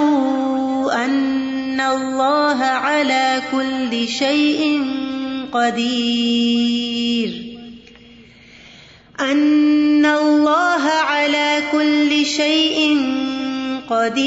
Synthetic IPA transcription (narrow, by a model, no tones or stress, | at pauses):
ʔanː | alˤːɑːɦaʕalaːkʊlːɪʃajʔɪnqɑd̪iː | ɾ | ʔanːalˤːɑːɦaʕalaːkʊlːɪʃajʔɪn | qɑd̪iː